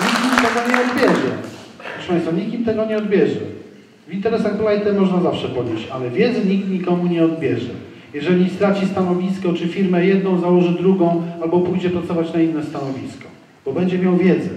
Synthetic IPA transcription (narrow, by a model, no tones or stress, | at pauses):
ɲikʲimt̪ɛɡɔɲɛɔd̪bʲjɛʐɛ̰pɾɔfʂɛ̥pãj̃st̪faɲikʲimt̪ɛɡɔɲɛɔd̪bʲjɛʐɛ̰ | vint̪ɛɾɛsaɣb̪lajt̪ɛmɔʐnazafʂɛpɔd̪ʲet͡ɕalɛvʲjɛd̪zɘɲik̚t̪ɲikɔmuɲɛɔd̪̚bʲjɛʐɛ̰ | jɛʐɛlʲist̪ɾat͡ɕist̪anɔvʲiskɔt͡ʂɘfʲiɾmɛjɛd̪nɔ̃w̃zawɔʐɘd̪ɾuɡɔ̃w̃albɔpujd͡ʑɛpɾat̪sɔvat͡ɕnainːɛst̪anɔvʲiskɔ̥ | b̥ɔbɛɲd͡ʑɛmʲjawvʲjɛd̪zɛ